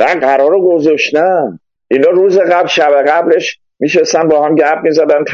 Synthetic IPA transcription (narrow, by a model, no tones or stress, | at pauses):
næɢæɾɒːɾoɡozɒʃt̪næ | ʔinɒːɾuːzeɣæblʃæbeɣæble̞ʃ | miːʃest̪ænbɒːhæmɟæɾb̚mizæd̪ænt̪ʰ